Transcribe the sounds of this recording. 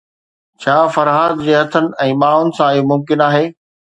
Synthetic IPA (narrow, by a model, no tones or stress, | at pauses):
t͡ɕʰaːfɐɾɦaːd̪d͡ʑeːɦɐt̪ʰənɪ̆ɛ̃ːɓaːɽʊnɪ̆sãɪjomʊmkɪnaːɦeː